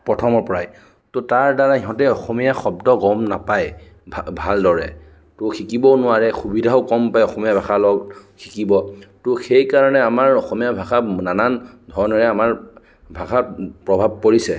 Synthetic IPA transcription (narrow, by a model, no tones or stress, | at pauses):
pɹɔtʰɔmɔɹpɔɹaj | tʊtaɹdaɹaɦiɦɔ̃tɛɔxomijaxɔb̚dɔɡɔmnapaj | bbʱaldɔɹɛ̰ | tʊxikibɔnʊwaɹɛxubidʱaʊkɔmpajɔxɔmijabʱaxalɔɡxʰi̥kibɔtʊxejkaɹɔnɛamaɹɔxɔmijabʱaxananan | dʱɔɹnɔɹɛamaɹ | bʱakapɹɔbʱab̚koɹisɛ